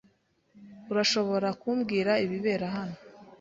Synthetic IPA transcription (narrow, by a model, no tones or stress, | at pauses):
uɾaʃo̞βo̞ɾakuːmɡiːɾaiβiβe̞ːɾaɦano̞